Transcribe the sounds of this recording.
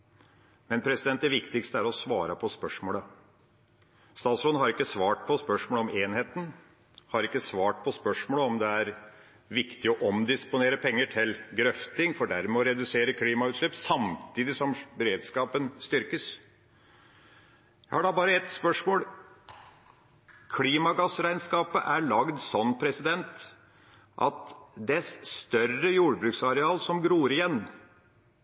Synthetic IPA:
mɛnpʰɾɛsɪd̪ɛnt̪̚d̪ɛʋɪkt̪ɪkst̪əæɾɔsʋɑːɾəpʰɔspœʂmoːlə | st̪ɑːsɾɔnhɑɾɪkːəsʋɑːʈ̚pʰɔspœʂmoːləɔmeːnheːt̪n̩ | hɑɾɪkːəsʋɑːʈ̚pʰɔspœʂmoːləɔmd̪ɛæɾ | ʋɪkt̪ɪɔʔɔmd̪ɪspʊneːɾəpʰɛŋːəʈʰɪlɡɾœft̪ɪŋfɔɖæɾmɛɔɾɛd̪ʉseːɾəkʰliːmɑʉːt̪ʂɭɪpːsɑmt̪ʰiːd̪ɪsɔmbɛɾeːd̪skɑːpənst̪ʏɾkəs | jæɪhɑɖɑbɑːɾəɛt̪spœʂmoːl | kʰliːmɑɡɑsɾæɪnskɑːpəʔæɭɑɡd̪sɔnːpʰɾɛsɪd̪ɛnt̪ | ʔɑ̰t̪d̪ɛsst̪œrəjuːɖəbɾʉːksɑɾɛɑːlsɔmɡɾuːɾɪjɛnː

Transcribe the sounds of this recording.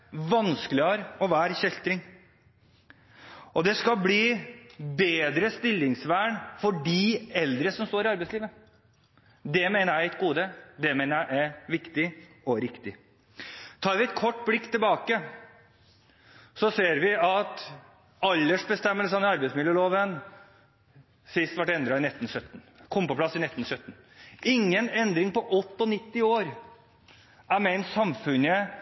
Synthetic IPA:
ʋɑnskəlɪɑːɾɔʋæːɾçɛlt̪ɾɪŋ | ʔɔd̪ɛskɑlbliːbeːd̪ɾəst̪ɪlːɪŋsʋæːɳfɔɖiːɛld̪ɾəsɔmst̪oːɾɪɑɾbɛɪsliːʋə | d̪ɛmeːnəɾæɪɛt̪̚ɡuːd̪əd̪ɛmeːnəɾjæɪʔæɪʋɪkt̪ɪ | ɔɾɪkt̪ɪ | t̪ʰɑːɾʋɪɛt̪kʰɔʈːblɪkːt̪ʰɪlbɑːkə | sɔseːɾʋɪɑt̪ | ɑlːəʂbəst̪ɛmːəls̬ɑnɛɑɾbɛɪtsmɪljəloːʋən | sɪst̪ʋæʈːɛnd̪ɾɑɪnɛt̪ːn̩sœt̪ːn̩kʰʊmpəplɑsːɪnɛt̪ːn̩sœt̪ːn̩ | ɪŋːənɛnd̪ɾɪŋpɔʔɔt̪ːɔnɪt̪ːɪoːɾ | æɾmɛnsɑmfʉnə

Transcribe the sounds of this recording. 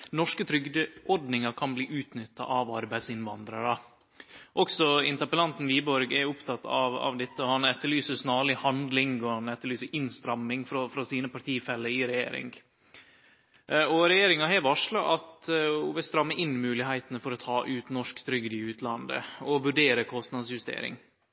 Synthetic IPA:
nɔʂkət̪ʰɾʏɡd̪əɔɾɖnɪŋɑɾkʰɑnbliːʔʉːt̪nʏt̪ːɑ̰ʔɑʋɑɾbæɪsɪnʋɑnd̪ɾəɾɑ | ʔɔksɔɪnt̪əɾpəlɑnt̪n̩ʋiːbɔɾɡɛʊpt̪ʰɑt̪ːɑʋɑ̰ʋd̪ɛt̪ːəɔhɑnɛt̪ːəɭyːsəsnɑːɭɪhɑnd̪lɪŋɡɔhɑnɛt̪ːəɭyːsəɾʔɪnst̪ɾɑmːɪŋfɾɔfɾɑsiːnəpɑʈt̪ʰiːfɛlːəɪɾɛjḛːɾɪ̰ŋɡ | ʔɔɾɛjeːɾɪŋɑɦɛːʋɑʂlɑʔɑt̪ɔʋɛst̪ɾɑmːəʔɪnmʉːlɪhæɪt̪ənəfɔɾɔt̪ʰɑːʔʉːt̪nɔʂkt̪ʰɾʏɡd̪ɪʉːt̪ʰlɑnd̪ə̰ɔʋʉɖeːɾəkʰɔst̪nɑd̪sjʉst̪ḛːɾɪ̰ŋ

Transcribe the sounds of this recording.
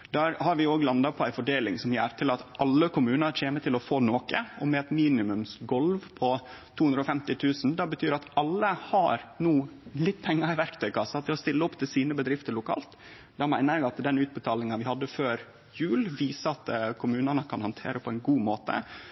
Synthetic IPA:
d̪̥æɾhɑɾʋɪoːɡlɑnd̪ɑpʰɔæɪfɔɖeːlɪŋsɔmjæːɾt̪ʰɪlɑt̪ʔɑlːəkʊmʉːnəɾt͡ʃʰeːmət̪ʰɪlɔfoːnoːkəɔmɛɛt̪miːnɪmʉmsɡɔlʋpʰɔt̪ʰuːʉnd̪ɾɔfɛmt̪ɪt̪ʰʉːsn̩d̪ɑbət̪ʰyːɾɑt̪ɑlːəhɑɾnuːlɪt̪ːpʰɛŋːɑɾɪʋæɾkt̪ʰœʏkʰɑsːɑt̪ʰɪlɔst̪ɪlːəɔpt̪ʰɪsiːnəbəd̪ɾɪft̪əɾɭʊkʰɑ̰ːlt̪ | d̪ɛmæɪnəɾɛɡɑt̪d̪ɛnʉːt̪̚bət̪ʰɑːlɪŋɑʋɪhɑd̪ːəføːɾ | jʉːlʋiːsəɑt̪kʰʊmʉːnənəkʰɑnhɑnt̪ʰḛːɾʔəpʰɔæɪnɡuːmoːt̪ə̰

